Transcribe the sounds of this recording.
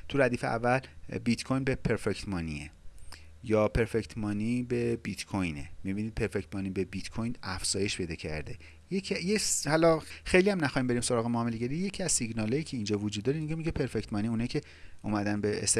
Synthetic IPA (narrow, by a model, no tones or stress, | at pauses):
t̪ʰuɾæd̪iːfeæ̰vːælbit̪kʰojnbepʰe̞ɾfect̪ʰmɒːnḭḛ | jɒːpʰe̞ɾfect̪ʰmɒːniːbe̞bit̪kʰojnḛmibiniːd̪̚pʰe̞ɾfect̪mɒːnibebit̪kʰojnæfz̥ɒːje̞ʃpʰe̞jd̪ɒ̰ːcʰæ̰ɾd̪e | jecʰjehælɒxejliæmnæxɒːhimbe̞ɾiːmso̞ɾɒːɣe̞moːmeleɟeɾije̞cʰiæzsiɡnɒːlɒːjiːcʰe̞ind͡ʒɒːvod͡ʒud̪ːɒːɾeiniɡemicʰepʰe̞ɾfect̪mɒːniunɒjcʰe̞ | uːmæd̪ænbeḛst̪e